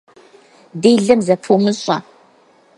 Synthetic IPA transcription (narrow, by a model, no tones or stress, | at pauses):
deːɮɐmzɐpʰumɨɕʼɐ̰